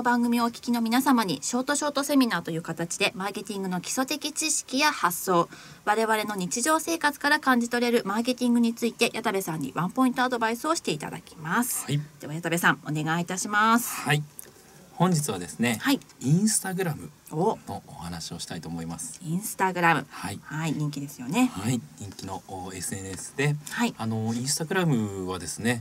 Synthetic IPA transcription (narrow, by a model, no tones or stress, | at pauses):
nobãŋɡɯ̟mʲio̞kʲi̥kʲino̞mʲinasamaɲ̟ḭɕo̞ːt̪o̞ɕo̞ːt̪o̞se̞mʲinaːt̪o̞jɯ̟ːkat̪at͡ɕi̥d̪e̞maːke̞t̪ʲĩŋɡɯ̟no̞kʲi̥so̞t̪e̞kʲit͡ɕiɕi̥kʲijahasːo̞ː | βaɾe̞βaɾe̞no̞ɲ̟it͡ɕiʑo̞ːse̞ːkat͡sɨ̥kaɾakãɲ̟d͡ʑit̪o̞ɾe̞ɾɯ̟maːk̬e̞t̪ʲĩŋɡɯ̟ɲ̟it͡sɨit̪e̞jʔat̪abe̞sãɲ̟ːḭβãmpo̞ĩnt̪o̞ad̪o̞baisɨo̞ɕi̥t̪e̞it̪a̰d̪a̰kʲi̥masɨ̥d̪̥e̞βajat̪abe̞sãŋo̞ne̞ɡait̪aɕimasɨ̥hai | hõ̞ɲ̟d͡ʑit͡sɨβad̪e̞sɨne̞haiĩɰ̃sɨ̥t̪aɡɯ̟ɾamɯ̟ | ono̞ohanaɕio̞ɕi̥t̪ait̪o̞ːmo̞imasɨ̥ĩɰ̃sɨ̥t̪aɡɯ̟ɾamɯ̟̰haihaiɲ̟ĩŋkʲid̪e̞sɨjo̞ne̞aiɲ̟ĩŋkʲino̞e̞sɨe̞nesɨ̥d̪e̞haiano̞ĩɰ̃sɨ̥t̪aɡɯ̟ɾamɯ̟βad̪e̞sɨne̞